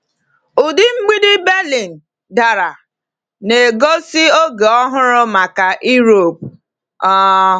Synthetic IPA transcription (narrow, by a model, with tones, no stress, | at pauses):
ʊ˨dɪ˦ŋ͡m̩˦ɡ͡bi˦dɪ˦be˦li˨n̩˨ | da˨ɾa˨ | ne˨ɡo˦si˦o˦ɡe˨ɔ˦ɦʊ˦ɾʊ˦ma˨ka˨ʔi˦ɾo˨p̚ | ɔ˦